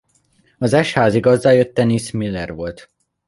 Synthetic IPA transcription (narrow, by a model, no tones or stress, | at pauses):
ɒzɛʃhaːziɡɒzdaːjøt̪ːɛnismilːɛrʋo̞lt̪